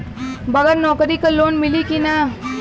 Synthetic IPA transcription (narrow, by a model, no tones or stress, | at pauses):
bəɡəɾnɔːkɾikaloːnmilikina